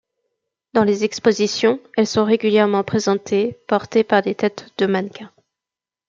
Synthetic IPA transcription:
d̪ɑ̃lezɛkspozisjɔ̃ɛlsɔ̃ʁeɡʲyljɛʁmɑ̃pχezɑ̃t̪ʰepɔʁt̪epaʁd̪et̪ɛt̪d̪̥əmankʰɛ̃

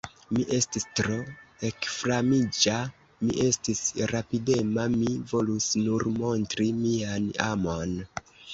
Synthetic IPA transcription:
miʔe̞stistɾo̞ekfɾamid͡ʒa | miʔe̞stisɾapide̞mamivo̞lusnuɾmo̞ntɾimiana̰mon

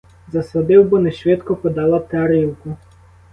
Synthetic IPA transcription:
zɐsɔd̪ɪwbɔnɛʃʋʲɪt̪kɔpɔd̪ɑlˠat̪ɛɐɾiwkʊ

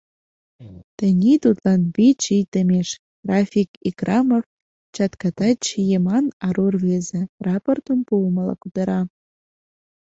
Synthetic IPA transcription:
t̪ə̆nʲit̪ut̪lɑnβit͡ɕijt̪ə̆mʲeʃ | ɡ̥rɑfʲikikrɑmə̆f | t͡ɕɑt̪kɑt̪ɑt͡ɕijemɑnɑɾurvezĕrɑport̪ə̆mpulməlɑ̰kud̪ə̆ɾɑ

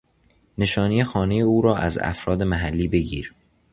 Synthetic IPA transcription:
ne̞ʃɒːnijexɒːne̞je̞uːɾɒːʔæ̰zæ̰fɾɒːd̪e̞mæɦælːiːbe̞ɟḭːɾ

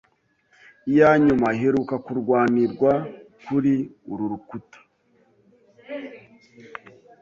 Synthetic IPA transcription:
ijaɲumaɦeɾukakuɾɡwaːniɾɡwakuɾiuɾuɾukutḁ

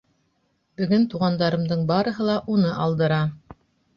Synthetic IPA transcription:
bɵ̆ɡɘnt̪uʁɑnd̪ɑɾɤ̆md̪ɤɴbɑɾɤ̆ɦɤlˠɑʔunɤʔɑlˠd̪ɤ̆ɾɑ

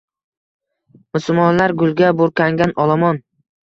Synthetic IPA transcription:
mʊsʊlmɒnlaɾɡʊlˠɡʲaboɾkʰʲaŋɡʲanɒlˠɒmɒn

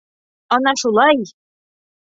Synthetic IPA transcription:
ɔnɑʃulˠɑj

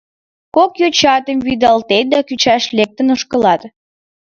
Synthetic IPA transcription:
kokjot͡ɕɑt̪əmβyd̪ɑlt̪et̪̚d̪ɑkyt͡ɕæʃlek̚t̪ənəʃkə̆lɑt̪

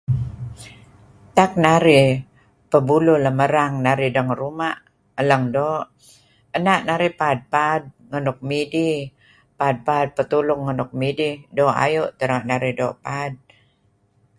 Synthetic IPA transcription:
t̪ak̚naɾi | pəbululəməɾaŋnaɾidəŋɾumaʔ | ələŋdoːʔ | ənaʔnaɾipad̚pad̚ŋənʊk̚midi | pad̚pad̚pət̪ulʊŋːənʊk̚mididoʔa̰juʔt̪əɾaʔnaɾidoʔpad̚

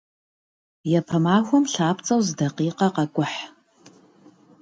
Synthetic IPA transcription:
jɛpʰɐmaːxʷɔmɬaːpʰt͡sʼɐwzdɐqiːqɐqɐkʷʼʊħ

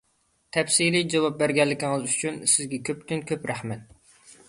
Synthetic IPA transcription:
t̪ʰɛfsilid͡ʒɑwɑp̚bæɾɡʲɛlːɪkʲɪŋɨzyt͡ʃʰynsɪzɡʲɛkʲʰøpt̪ynkʲʰøpɾæχmɛt̪̚

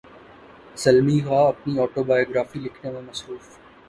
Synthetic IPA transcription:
sɐlmikaɐpniɔːʈobaːjoːɡɾaːfilɪkʰnemẽmɐsɾuːf

